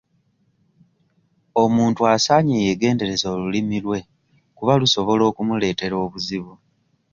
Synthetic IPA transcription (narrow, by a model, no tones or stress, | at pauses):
o̞muːntuasaːɲeːjeɡe̞ːnde̞ɾe̞zo̞ːlulimilwe̞ | kuβaluso̞βo̞lo̞ːkumule̞ːte̞ɾo̞ːβuziβu